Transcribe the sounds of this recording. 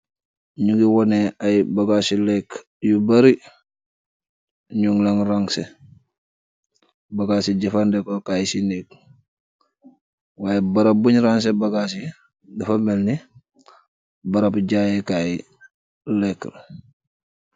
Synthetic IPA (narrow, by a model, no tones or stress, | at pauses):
ɲuɡiwɔneajibaɡasilɛk | jubaɾi | ɲuŋlaŋɾaŋse | baɡaːsiɟɐfandekokaːjisinek | waːjebaɾabuɲɾaŋs̬ebaɡasi | dɐfamelni | baɾapɟaːjekai | lɛkl